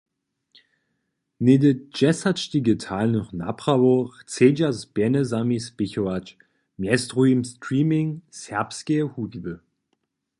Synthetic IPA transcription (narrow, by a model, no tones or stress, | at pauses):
nedəd͡ʒɛsat͡ʃd̪iɡətʰaːlnuχna̰pʁ̥avoʁt͡sed͡ʒasb̥ɛnəzamisb̥ɪçoat͡ʃ | mjɛstʁuimstʁiːmɪŋsɛɐpskehuvibə